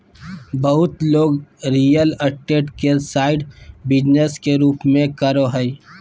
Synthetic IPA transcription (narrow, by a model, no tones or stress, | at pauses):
bəɦʊt̪loːɡɾiːjələʈeːʈkesaːɪɖbɪd͡ʒneskeɾuːpmẽkəɾoɦəi